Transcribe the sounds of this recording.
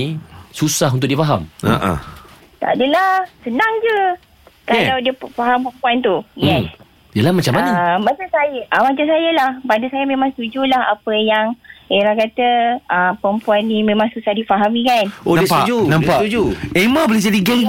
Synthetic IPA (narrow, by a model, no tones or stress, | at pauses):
isusaɦunt̪ʊk̚diəfaɦama̰ʔa̰ | t̪a̰dəlahsənaŋd͡ʒə | kalawdiəfaɦampəmpuant̪ujɛs | dəlahmat͡ʃamaɲəmat͡ʃasajəʔəmat͡ʃamsajəlahpadəsajamẽmãŋst̪ud͡ʒulaha̰pəjaŋeɾahkat̪əəpəmpuanːimẽmãŋsusahdifaɦamĩkanõsad͡ʒunãmpaud͡ʒuemabolid͡ʒadiɡɛŋɡ